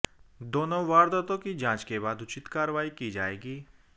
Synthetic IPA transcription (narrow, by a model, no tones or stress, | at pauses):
d̪oːnõʋaːɾd̪ət̪õkid͡ʒãːt͡ʃkebaːd̪ʊt͡ʃɪt̪kaːɾəʋaːikid͡ʒaːḛːɡiː